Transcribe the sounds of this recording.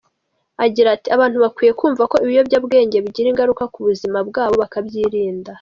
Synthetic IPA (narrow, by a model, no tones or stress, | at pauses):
aɟiɾatiaβaːn̥huβakwiːje̞kuːɱvako̞iβijo̞bɟabɡe̞ːɲɟe̞βiɟiɾiŋɡaɾukakuβuzimabɡaːβo̞βakabjiːɾiːnda